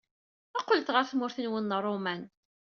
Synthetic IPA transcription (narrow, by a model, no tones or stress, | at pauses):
æqːəlt̪ʁəɾθmʊɾθənwənːərˤːomæn